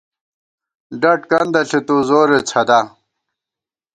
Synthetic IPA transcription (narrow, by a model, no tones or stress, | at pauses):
ɖɐʈkɐnd̪ɐɬet̪uzoːɾet͡sʰɐd̪a